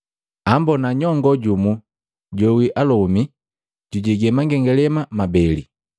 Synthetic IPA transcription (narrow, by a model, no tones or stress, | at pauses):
ambɔnaɲɔŋɡɔɟumu | ɟɔwiʔalɔmi | ɟuɟɛɡɛmaŋɡɛŋɡɛlɛmamabɛli